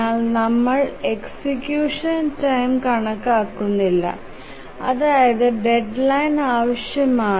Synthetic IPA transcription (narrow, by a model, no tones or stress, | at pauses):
aːlnɐmːɐɭeksikjuːʂɐntɐjmkɐɳɐkːaːkːunːilːɐ̰ | ɐ̰ðaːjɐðɨɖe̞ɖlɐjnaːʋɐɕjɐmaː